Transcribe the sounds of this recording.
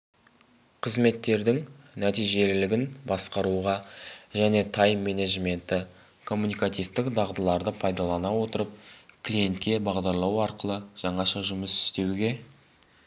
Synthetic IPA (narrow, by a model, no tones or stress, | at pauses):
qʰəzme̞t̪ːe̞ɾd̪ɪŋ | næt̪ijʒe̞lɪlɪɡʲɪnbɑsqɑɾuʁɑʒæne̞t̪ʰɑjmːe̞ne̞ʒme̞nt̪ɪ | kʰo̞mːunijkat̪ijft̪ɪkd̪ɑʁd̪əlˠɑɾd̪əpʰɑjd̪ɑlˠɑnɑwo̞t̪əɾəp̚kʲʰlije̞nt̪kʲe̞bɑʁd̪ɑɾlˠɑwɑɾqəlˠəʒ̥ɑɴɑʃɑʒʊməsɪ̥st̪e̞wɡʲe̞